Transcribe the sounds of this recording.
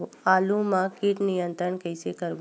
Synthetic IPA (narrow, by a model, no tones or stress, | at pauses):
aːlũmãkiʈnijə̃nt̪ɾəɳkəɪsekəɾb